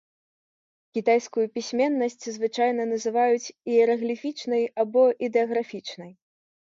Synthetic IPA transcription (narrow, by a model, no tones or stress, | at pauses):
kʲit̪ajskujupʲisʲmʲɛnːɐsʲt͡sʲzvɨt͡ʂajn̪ɐnɐzɨvajut͡sʲiɛɾɐɣlʲifʲit͡ʂnɐjabɔʔid̪ɛɐɣɾafʲit͡ʂnɐj